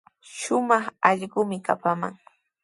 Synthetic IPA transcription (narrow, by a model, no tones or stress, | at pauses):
ʃʊmɑχɑʎɢʊmɪka̰pama̰ŋ